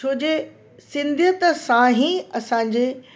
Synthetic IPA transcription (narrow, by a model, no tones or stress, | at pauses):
oːd͡ʑe | sɪ̃nd̪ʱjət̪ɐsãɦĩɐsãːɲ̆d͡ʑeː